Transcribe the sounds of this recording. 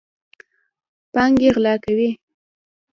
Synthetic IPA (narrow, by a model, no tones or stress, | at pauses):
pɑŋɡeɣlɑkawi